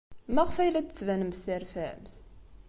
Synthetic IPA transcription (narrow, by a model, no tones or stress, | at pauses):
mæʁfæjlæt͡sə̥t͡sːvænəmsæɾfæmz